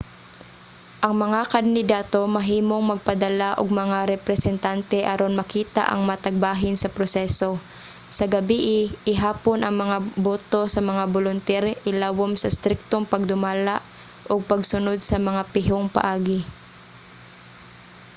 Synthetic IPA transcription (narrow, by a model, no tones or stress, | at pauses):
ʔɐŋmɐŋakɐnd̪ɪd̪aːt̪o̞mɐɦiːmoŋmɐɡ̚pɐd̪ɐlaʔoɡ̚mɐŋaɾɛpɾɛsɛnt̪ant̪ɛʔɐɾo̞nmɐkiːt̪a̰ʔɐ̰ŋmat̪ɐɡ̚baːɦɪnsɐpɾosɛso̞ | sɐɡɐbiʔɪʔɪɦaːponʔɐŋmɐŋaboːt̪o̞sɐmɐŋabolʊnt̪ɛɾʔɪlaːwomsɐst̪ɾɪk̚t̪oŋpɐɡ̚d̪ʊmaːlaʔ | ʔoɡ̚pɐɡsʊnod̪̚sɐmɐŋapɪɦoŋpɐ̰ʔaːɡɪ